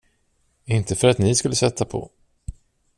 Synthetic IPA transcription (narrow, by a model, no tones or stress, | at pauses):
ɪnt̪əfœɾat̪nɪskɵlːəsɛt̪ʰːapʰɔ̰